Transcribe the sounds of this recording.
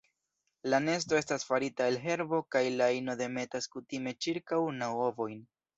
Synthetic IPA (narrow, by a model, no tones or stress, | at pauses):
lane̞sto̞e̞stasfaɾitaelɦe̞ɾbo̞kajlaino̞de̞me̞taskutime̞t͡ʃiɾkawnawovo̞jn